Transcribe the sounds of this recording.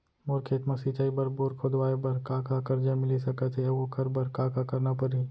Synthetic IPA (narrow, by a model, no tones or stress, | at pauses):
moɾkʰeːt̪mɐsit͡ʃaːibɐɾpoːɾkʰod̪ʋaːebɐɾkaːkakɐɾd͡ʒamɪlisɐkət̪ʰeɐokɐɾbɐɾkaːkakɐɾnapɐɾi